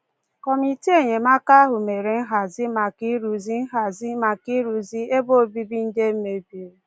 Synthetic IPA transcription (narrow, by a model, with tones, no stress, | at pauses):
kɔ˨mi˨ti˦e˦˨ɲe˨ma˦ka˦ɦʊ˨me˨ɾe˨n̩˦ɦa˨zi˦ma˨ki˦ɾu˨zi˦n̩˦ɦa˨zi˦ma˨ki˦ɾu˨zi˦e˦bo˦˨bi˦bi˦n̩˦de˦m̩˦me˨bi˨˦e˦